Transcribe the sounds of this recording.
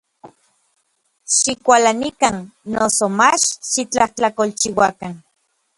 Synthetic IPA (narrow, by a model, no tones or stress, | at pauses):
ʃikʷalanikanːosomat͡ʃʃit͡ɬaht͡ɬakolt͡ʃiwakan